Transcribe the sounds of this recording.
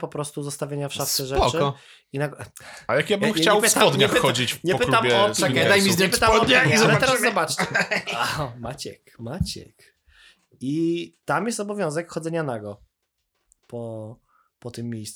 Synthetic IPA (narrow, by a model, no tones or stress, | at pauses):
pɔpɾɔst̪uzɔst̪avʲjeɲafʂat̪sɛʐɛt͡ʂ | inaɡajakjabɨmxt͡ɕawɛpɪst̪aɔd̪ɲɛpxɔd͡ʑit͡ɕɲɛp̪amɛɔɛd̪ajmʲizɲɛpɘt̪amɔɔɲɛizɔlɛt̪ɛɾazzɔbat͡ʂt͡ɕɛ | mat͡ɕɛ̰kmat͡ɕɛ̰k | it̪amjɛst̪ɔbɔvʲjɔ̃w̃zɛkxɔd̪zɛɲanaɡɔ | pɔ | pɔt̪ɨmːʲejs